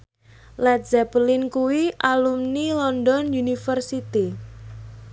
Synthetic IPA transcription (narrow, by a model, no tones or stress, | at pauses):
lɛt̪̚zɛplinkuwiʔalumnilɔndɔnjunifərsit̪i